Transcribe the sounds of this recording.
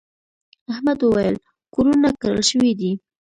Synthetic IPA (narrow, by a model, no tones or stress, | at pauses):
ahmad̪wəwajəl | koɾunakəɾə̰lʃəwid̪i